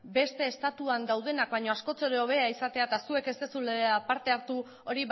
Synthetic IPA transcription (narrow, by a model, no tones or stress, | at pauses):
be̞st̪e̞ːst̪at̪uand̪awð̞e̞nak̚baɲo̞asko̞t͡seɾeo̞βe̞aisat̪e̞at̪asue̞ke̞st̪e̞suleeapaɾt̪e̞aɾt̪u | o̞ɾi